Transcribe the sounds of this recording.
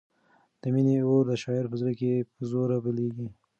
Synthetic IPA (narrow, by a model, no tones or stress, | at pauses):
d̪̥əmineoɾd̪əʃɑɪɾpəzɾəkepəzoɾabəleɡi